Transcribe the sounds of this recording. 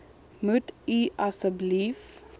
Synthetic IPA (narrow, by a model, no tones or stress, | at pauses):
mutiʔasəblif